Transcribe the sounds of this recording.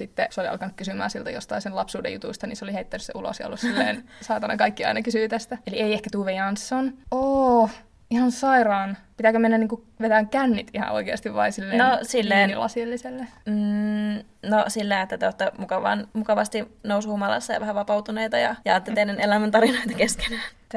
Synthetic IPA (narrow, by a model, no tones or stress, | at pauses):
sit̪ːeseoliɑ̰lkɑnukkysymæ̰ːsilt̪æ̰jo̰st̪ɑisenlɑpsuːdḛjut̪ṵst̪ɑnḭnseoliheit̪ːænysḛʔulo̰sjɑ̰o̰lːusssilːeːn | sɑːt̪ɑnɑkɑikːiɑ̰inɑkysyːt̪æst̪æelieiehkæt̪uːʋejɑnsːonoː | ihɑnsɑirɑːnpit̪ækømenːænniːŋku | ʋet̪æŋkænːit̪ihɑ̰ʔo̰ikeɑst̪iʋʋɑisilːeːnosilːeːnlɑ̰sielːiselːem̩ | nosilːæiet̪ːæt̪eot̪ːemukɑʋɑ̰nmukɑʋɑst̪inousjumɑlɑ̰sːɑjɑ̰ʋæhæʋɑpɑut̪uneit̪ɑjɑjɑt̪ːet̪enːenelæmænt̪ɑɾinoit̪ɑkeske̥næːnt̪ː